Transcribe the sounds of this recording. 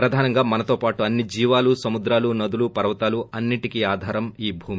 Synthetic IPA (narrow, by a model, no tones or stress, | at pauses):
pɾɐd̪ʱaːnɐŋɡaːmɐnɐt̪o̞ːpaːʈuɐnːid͡ʒiːʋaːlusɐmud̪ɾaːlunɐd̪ulupɐɾʋɐt̪aːluɐnːiʈikiaːd̪ʱaːɾɐmiːbʱuːmi